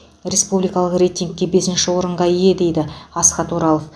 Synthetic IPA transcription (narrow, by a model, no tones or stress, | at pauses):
rʲe̞spublijkɑlˠəqre̞jt̪ʲiŋk̚ʲːe̞be̞sɪnʃɪwo̞ɾəɴʁɑije̞d̪e̞jd̪ɪɑsqɑt̪woɾɑlˠof